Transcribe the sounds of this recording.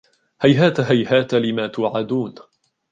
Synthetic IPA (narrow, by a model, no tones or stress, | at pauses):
hajɦaːt̪ɦajhaːt̪lɪmaːt̪ʊːʕad̪uːn